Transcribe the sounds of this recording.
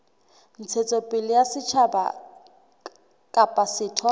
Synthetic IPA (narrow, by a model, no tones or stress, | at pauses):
n̩t͡sʰet͡sʼɔpʼɪlɪjasɪt͡ʃʰaba̰ | kʼapʼasɪːtʰwa